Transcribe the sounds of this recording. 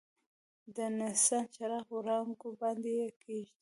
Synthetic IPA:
d̪ənasant͡ʃaɾɑxoɾɑŋɡobɑnd̪ejekeʒd̪i

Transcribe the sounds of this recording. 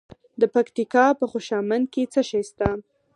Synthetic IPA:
d̪əpakt̪ikɑpəxoʃɑmand̪̚ket͡səʃajst̪a

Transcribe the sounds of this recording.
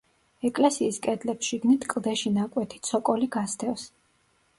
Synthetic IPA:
ɛkʼlɛsiːskʼɛd̪lɛpsʃiɡnit̪ʰkʼlˠd̪ɛʃinakʼwɛt̪ʰi̥t̪sʰɔkʼɔliɡasd̪ʰɛfs

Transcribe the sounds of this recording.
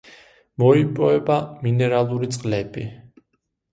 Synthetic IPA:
mɔipʼɔɛbaminɛɾalˠuɾit̪sʼqʼlɛbi

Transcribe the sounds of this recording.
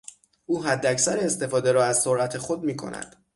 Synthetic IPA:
ʔuːɦæd̪ːæcsæɾeːst̪e̞fɒːd̪e̞ɾɒːæzsoɾʔæt̪ʰe̞xo̞d̪miːkʰo̰nʔæ̰d̪̥

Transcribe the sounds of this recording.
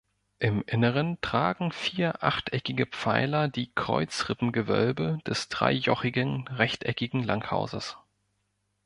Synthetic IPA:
ʔɪmʔɪnəʁəntʁ̥aːɡŋ̩fiːɐʔa̰χtʰʔɛkɪɡəpp͡faɪlɐdiːkʁ̥ɔ̰ʏt͡sʁ̥ɪpm̩ɡəvœ̰lbəd̥ɛsd̥ʁa̰ɪjɔχɪɡənʁɛçtʔɛkɪɡŋ̩laŋtha̰ʊzə̰s

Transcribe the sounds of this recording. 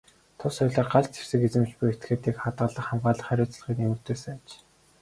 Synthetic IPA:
t̪ʰʊsɔjʲɮăːɢaɮt͡sʰe̥rsɘ̆ket͡sɘ̆mt͡ɕpujet̪ɡeːt̪iːkχat̪ɢə̆ɮə̆χamɢaːɮə̆χæɾʲʊːt͡s̆ɮ̆χiːk̪nemɘ̆r̥t̪eːsɘ̆æt͡ɕ

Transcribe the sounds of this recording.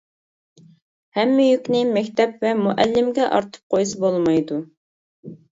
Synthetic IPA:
hɛmːɪjykʲnɪmɛkʲt̪ʰɛpvɛmuʔɛlːɪmɡʲɛʔɑ̰ɾt̪ʰə̥p̚qʰojsɨbolˠmɑjd̪u

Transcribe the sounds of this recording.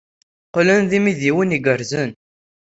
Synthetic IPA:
qlənðimiðiwəniɡəɾzən

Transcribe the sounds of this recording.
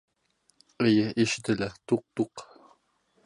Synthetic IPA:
ɘ̆jɘʔiʃɘ̆t̪ɘ̆læt̪uq̚t̪uq

